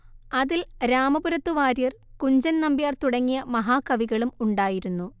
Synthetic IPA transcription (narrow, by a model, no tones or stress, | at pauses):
ɐðilɾaːmɐbuɾɐt̪ːuʋaːɾijɐrkuɲd͡ʑɐnnɐmbijaːrt̪uɽɐŋːijɐmɐɦaːkːɐʋiɣɐɭumuɳɖaːjiɾunːu